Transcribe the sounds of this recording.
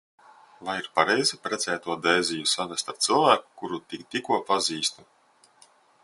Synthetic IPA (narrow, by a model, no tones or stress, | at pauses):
vajiɾpaɾɛjzipɾɛt̪sɛːt̪uɔd̪ɛjzʲijusanɛst̪aɾt̪sɨlˠvæːku̥kuɾut̪ikt̪ikuɔpaziːst̪u